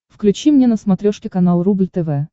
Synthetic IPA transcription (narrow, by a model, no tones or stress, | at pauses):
fklʲʉt͡ɕimnʲenəsmɐt̪ɾʲoʂkʲɪkɐnalˠɾublʲt̪ɛvɛ